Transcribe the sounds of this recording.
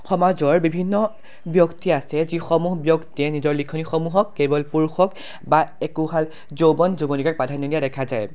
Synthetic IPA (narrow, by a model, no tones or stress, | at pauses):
xɔmazɔɹbibʱinːɔ | bjɔktiasɛzixɔmuɦbjɔktiɛnizɔɹlikʰːɔnixɔmuɦɔkːebɔlpuɹuxɔk | baekuɦal | zobɔnzubonikak̚padʱanilijadɛkʰazaj